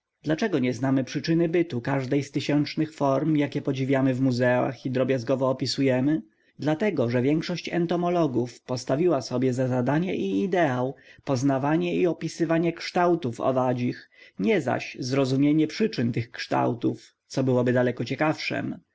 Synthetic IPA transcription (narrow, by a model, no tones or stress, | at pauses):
d̪̥lat͡ʂɛɡɔɲɛznamɘpʂɘt͡ʂɘnɘbɘt̪ukaʐd̪ɛjst̪ɘɕɛnt͡ʂnɘxfɔɾmjakʲɛpɔd͡ʑivʲjamɘvmuzɛa̰xid̪ɾɔbʲjazɡɔvɔːpʲisujɛmɘ | d̪lat̪ɛɡɔʐɛvʲjɛŋkʂɔɕt͡ɕɛ̰nt̪ɔmɔlɔɡufpɔst̪avʲiwasɔbʲjɛzazad̪aɲɛʔiːd̪ɛawpɔznavaɲɛiɔpʲisɘvaɲɛkʂt̪awt̪ufɔ̰vad͡ʑixɲɛza̰ɕzɾɔzumʲjeɲɛpʂɘt͡ʂɘnt̪ɘxkʂt̪a̰wt̪uf | t̪sɔbɘwɔbɘd̪alɛkɔt͡ɕɛkafʂɛ̰m